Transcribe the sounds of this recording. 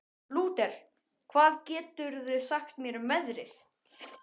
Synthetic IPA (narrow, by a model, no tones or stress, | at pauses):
luːt̪ɛɾ̥ | kʰvaːðcɛːt̪ʏɾðʏsaxt̪mjɛɾʏmɛðɾɪ̰θ